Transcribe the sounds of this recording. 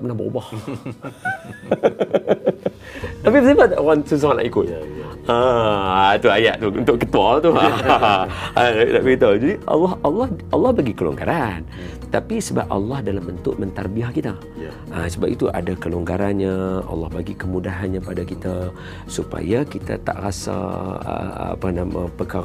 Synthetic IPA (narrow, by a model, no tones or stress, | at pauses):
aʔpənahbo̰bɔh | t̪apibəsimaansus̬uŋanla̰ʔikʊt̪̚aəat̪uajaʔt̪uṵnt̪ʊʔkːət̪ualt̪u | aaḭʔd̪aʔbit̪ad͡ʒadiʔɑ̰lːɑhɑlːɑhɑlːɑhbaɡikəlṵŋɡa̰ɾan | t̪apisəba̰p̚ɑ̰lːɑhdalambənt̪ʊʔ̚mənt̪arbiahkit̪a | əsəba̰p̚it̪uʔa̰dakəluŋɡaɾanɲaɑ̰lːɑhbaɡikəmudaɦanɲapadakit̪a | supa̰jakit̪a̰t̪a̰ʔrasa̰ə̰panama̰pəka